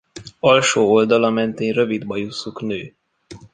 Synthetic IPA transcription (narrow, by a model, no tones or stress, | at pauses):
ɒlʃoːold̪ɒlɒmɛnt̪eːnrøvid̪bɒjusuknøː